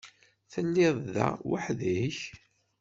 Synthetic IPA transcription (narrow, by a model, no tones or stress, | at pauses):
θəlːɪðˤðæ̰waħðiç